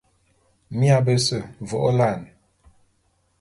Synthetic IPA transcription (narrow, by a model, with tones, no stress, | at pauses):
mja˦˨bə˦sə˦˨vɔ˨ʔo˦la˦˨n